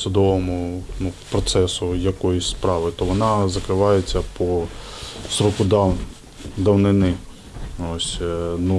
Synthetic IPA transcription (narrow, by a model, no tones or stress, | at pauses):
sʊd̪ɔʋɔmʊnupɾɔt̪sɛsʊjɐkɔjʊsʲspɾɑʋɪt̪ɔʋɔnɑzɐkɾɪʋɑjet͡sʲːɐpʰɔ | sɾɔkʊd̪ | d̪ɐwnɪnɪ | osʲnu